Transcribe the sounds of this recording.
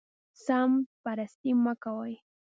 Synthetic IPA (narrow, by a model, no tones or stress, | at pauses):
sampaɾast̪ɪmakawaj